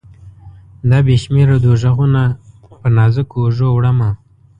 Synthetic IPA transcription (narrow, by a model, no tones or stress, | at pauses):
d̪ɑbeʃmeɾod̪oʒaɣuna | pənɑzəkoʐowɽəma